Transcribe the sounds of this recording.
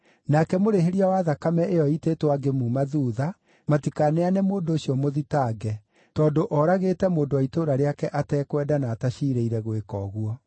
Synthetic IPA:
nakɛmoɾeɦeɾiawaðakamɛʔejɔitetwaɡemumaðuːða | matikaneanɛmoːndoːɕiɔmoðitaːɡɛ | tɔːndoʔɔɾaɣetɛmoːndowaitoːɾaɾeakɛʔatɛːkwɛːdanaːtaʃiɾeiɾɛɣwekɔːɣwɔ

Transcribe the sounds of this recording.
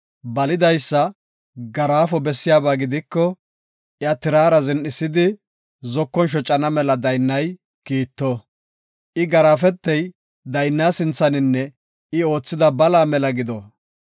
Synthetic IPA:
bɐlɪd̪ɐjsːɐ | ɡɐɾaːfɔbɛsːɪjaːbaːɡɪd̪ɪkːɔ | ʔɪjat̪ɪɾaːɾɐzɛnɗɪsːɪd̪ɪ | zɔkːɔnʃ̬ɔt͡ʃʼːɐnɐmɛlɐd̪ɐjnːɐj | kiːt̪ːɔ | ʔɪɡɐɾaːfɛt̪ːɛj | d̪ɐjnːaːsɪnt͡sːɐnɪnːɛ | ɪo̞ːt͡sːɪd̪ɐbɐlaːmɛlɐɡɪd̪ɔ

